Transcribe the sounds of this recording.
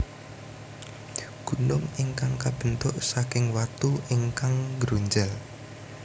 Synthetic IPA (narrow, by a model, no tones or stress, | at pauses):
ɡ̥ṳnʊŋiŋkaŋkab̥ə̤nt̪ʊʔsakɪŋwat̪uiŋkaŋɡɾuɲd͡ʒal